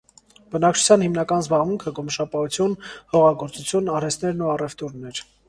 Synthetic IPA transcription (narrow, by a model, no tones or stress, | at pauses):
b̥ənɑk̚t͡ʃʰu̥t͡sʰjɑnhimnɑkɑnzbɑʁmuŋkʰəɡɔməʃɑpɑut͡sʰjunhɔʁɑɡɔɾt͡sut͡sʰjunɑɾɛst̪nɛɾnuɑrɛft̪uɾnɛɾ